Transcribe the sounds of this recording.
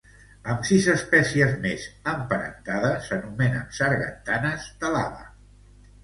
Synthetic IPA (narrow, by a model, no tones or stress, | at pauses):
əmsizəspɛsiəzmezəmpəɾə̰nt̪aðəsənumɛnə̰nsəɾɣə̰nt̪anəzd̪əla̰βə̰